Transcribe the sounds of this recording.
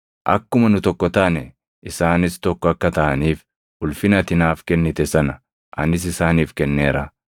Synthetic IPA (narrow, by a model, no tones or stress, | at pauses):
ʔɐ̰kːʊmɐnʊt̪ɔkːɔt̪ɐːnɛ | ʔɪsaːnɪst̪ɔkːɔɐkːɐt̪ɐʔɐniːf | ʊlfɪnɐt̪ɪnaːfkɛnːɪt̪ɛsɐnɐ̥ | ʔɐ̰nɪs̬ɪsaːniːfkɛnːeːɾɐ